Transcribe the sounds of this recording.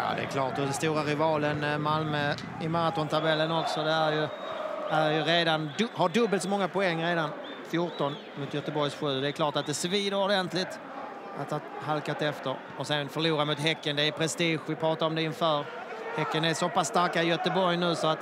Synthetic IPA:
jɑ̰ːd̪ɛ̰æ̰kʰlɑ̰ːʈ̪ɔd̪ɛst̪uːɾaɾɪvɑːlənmalmə | ɪmaɾat̪ɔnt̪ʰabɛlːənɔksɔd̪ɛæɾjɵ | æɾjɵɾeːd̪anhaɖɵbːəlt̪sɔmɔŋːapʊɛŋːɾeːd̪an | fjʊʈɔn | mʊːt̪jœt̪əbɔɾjsɧʉ̟ːd̪ɛːɾkʰlɑːʈat̪̚d̪ɛsviːd̪əɾɔɖɛnt̪ʰlɪt̪ | ʔa̰t̪haɦalkat̪ɛft̪əɾ | ɔsɛnfœɭuːɾamʊt̪ɦɛkːənd̪ɛːɾpʰɾɛst̪iːɧvɪpʰɾɑːt̪aɾɔmd̪ɛɪnfœːɾ | hɛkːənæsɔpasːt̪aɾkajœt̪əbɔɾjnʉ̟ːsɔat̪

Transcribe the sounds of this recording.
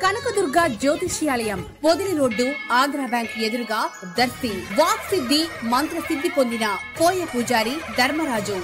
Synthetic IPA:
kɐnɐkɐd̪uɾɡaːd͡ʒoːt̪iʃjaːlɐjɐmpod̪uliɾoːɖːuaːɡɾɐːbjaːŋked̪uɾuɡaː | d̪ɐɾsiʋaːksid̪ʱːimɐnt̪ɾɐsid̪ʱːipond̪inɐkoːjɐpuːd͡ʒaːɾid̪ɐɾmɐɾaːd͡ʒu

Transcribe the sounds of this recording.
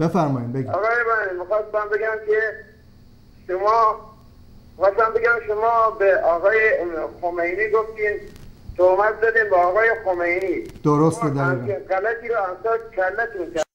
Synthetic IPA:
b̥efæɾmɒːjiːmbeɡiɒːɣɒːjebænnimixɑːst̪̚mæmbe̞ɡæmkʰe | ʃomɒː | ɣɑsæmbeɡʲæmʃomɒːbeɒːɣɒːjexomejniːɡoft̪iːmt̪ʰoɣmæt̪̚d̪ɒd̪iːmbeːɣɒːjexomejniːd̪̥oɾost̪ed̪æeɣælæt̪ʰiːɾɔːænst̪ɒːd̪kʰæɾlæt̪unkʰæɾ

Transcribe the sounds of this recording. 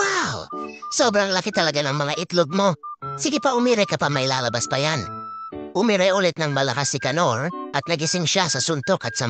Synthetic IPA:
wawsobɾaŋlakit̪ɐlɐɡanɐŋmɐlaʔɪt̪lʊɡ̚mosiɡipaʊmiɾajkɐpamajlalɐbaspajan | ʊmiɾajulɪt̪̚nɐŋmɐlɐkasɪkɐnoɾʔɐt̪̚nɐɡɪsɪŋʃasɐsʊnt̪okɐt̪sɐ

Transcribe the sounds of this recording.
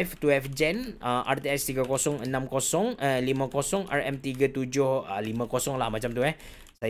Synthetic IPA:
ft̪uɛfd͡ʒɛnəmʔart̪iast̪iɡakosɔŋənãmkosɔŋəlimãkosɔŋʔa̰rɛ̰mt̪iɡat̪ud͡ʒʊhəlimãkosɔŋlahmat͡ʃamt̪uɛh | sa

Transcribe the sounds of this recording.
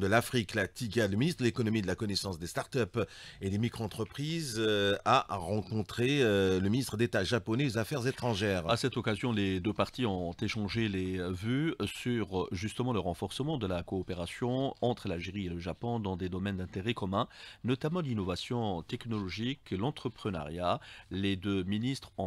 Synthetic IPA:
d̪əlafχiklat̪iɡaləminist̪χəd̪əlekɔnɔmid̪əlakɔnesɑ̃sd̪est̪aʁt̪œp | ed̪emikχoɑ̃t̪χəpχizaʁɑ̃kɔ̃t̪χeøləminist̪χəd̪et̪aʒapɔnɛozafɛʁzet̪χɑ̃ʒɛːʁasɛt̪ɔkazjɔ̃led̪øpaʁt̪iɔ̃t̪eʃɑ̃ʒelevysyʁʒyst̪əmɑ̃ləʁɑ̃fɔʁsəmɑ̃d̪əlakɔːpeʁasjɔ̃ɑ̃t̪χəlalʒeʁieləʒapɔ̃d̪ɑ̃d̪ed̪ɔmɛnd̪ɛ̃t̪eʁɛkɔmɛ̃nɔt̪amɑ̃linɔvasjɔ̃t̪ɛknɔlɔʒiklɑ̃t̪χəpχəna̰ʁjaled̪øminist̪χɔ̃

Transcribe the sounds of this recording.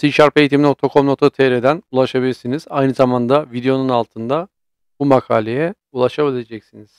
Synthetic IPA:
siʃaɾpʰejit̪imino̞k̚t̪ʰakʰo̞mnokt̪ʰat̪ʰeɾed̪ænulˠaʃabilʲiɾsiniz̥ajnɯzamand̪avid̪ejo̞nunalˠt̪ʰɯnd̪a | bumakʰaːlʲejɛ | ulˠaʃabilʲe̞d͡ʒɛcsiniz̥

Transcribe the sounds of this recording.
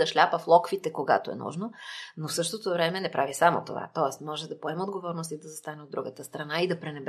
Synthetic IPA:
ɐʃlʲapəflˠɔkvit̪ɛkoɡa̰t̪oɛ̰nṵʒnonofsɤʃt̪ot̪ovɾɛmɛnɛpɾavisamo̰t̪o̰va̰t̪ɔɛsmɔʒɛd̪ɐpoɛmod̪ɡovɔɾnost̪id̪ɐzɐst̪anɛod̪ːɾuɡət̪əst̪ɾɐnaid̪ɐpɾɛnɛbɾ

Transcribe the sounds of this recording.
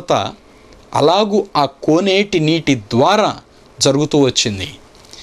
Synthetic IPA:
t̪ɐ̰ | ɐ̰laːɡuːaːkoːneːʈiniːʈid̪ʋaːɾaː | d͡ʒɐɾuɡut̪uːʋɐt͡ʃːind̪i

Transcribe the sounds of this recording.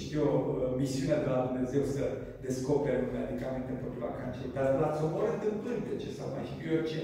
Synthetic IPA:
ʃt̪ijomisiunead̪elad̪umne̞ze̞wsə | d̪e̞sko̞peɾeumead̪ikament̪enpot̪ɾula̰kant͡ʃeɾd̪aɾasommoɾent̪ɨmpɨnʲd̪et͡ʃesawma̰jʃitɾiort͡ʃe

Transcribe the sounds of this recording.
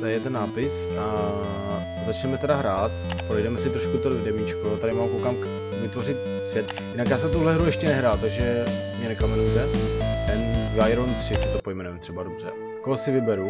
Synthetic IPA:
t̪ajɛt̪ɛnːaːpɪsʔa | zat͡ʃnɛmɛt̪ɛdaɦɾaːt̪ | pɾɛjdɛmɛsɪt̪ɾoʃkut̪ovdɛmit͡ʃkot̪adɪmaːmkowkaːmka | vɪt̪vo̞rɪt̪̚ | svjɛt̪ | jɪnakjaːs̬ɛt̪uɦlɛɦɾujɛʃcɛnɛɦɾaːlt̪aɡʒɛmɲɛnɛkamɛnujt̪ɛt̪ɛnvaːjɾoɛmt̪r̥ɪsɪt̪opo̞jmɛnujɛmt̪r̥ɛbado̞br̝̥ɛ̰ | koɦosɪvɪbɛɾu

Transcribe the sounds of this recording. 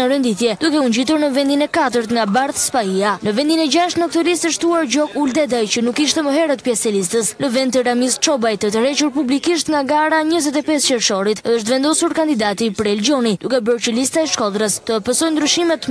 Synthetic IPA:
əɾənd̪iθjɛd̪ukɛuɲd͡ʑit̪uɾnəvɛnd̪inɛkat̪əɾt̪ŋɡabaɾðspaianəvɛnd̪inɛd͡ʒaʃt̪nək̚t̪əlist̪əʃt̪uaɾd͡ʑɔɡuld̪ɛd̪ajt͡ɕənukːiʃt̪ɛməɦɛɾət̪pjɛsɛlist̪əsləvɛnt̪̬əɾamist̪̚t͡ʃɔbajt̪ət̪̬əɾɛt͡ʃuɾpublikiʃt̪ŋɡaɡaɾaɲəzɛt̪̬ɛpɛscɛɾʃɔɾit̪əʃt̪vɛnd̪ɔsuɾkand̪id̪at̪ipəɾɛld͡ʒɔnid̪ukɛbəɾt͡ɕəlist̪aɛʃkɔlˠɾəst̪əpəsɔjnd̪ɾyʃimɛt̪

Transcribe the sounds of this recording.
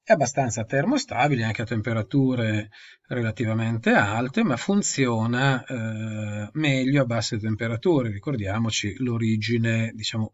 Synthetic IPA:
ɛabːast̪ansat̪ɛrmoest̪abileaŋk̟eat̪ːempeɾat̪uːɾe | relat̪ivament̪ealt̪emafunt̪sjoːna | mɛʎːoabːasːet̪empeɾat̪uːɾeɾikord̪jaːmot͡ʃiloɾiːd͡ʒined̪it͡ʃaːmo

